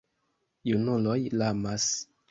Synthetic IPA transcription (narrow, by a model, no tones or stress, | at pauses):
junulo̞jlamas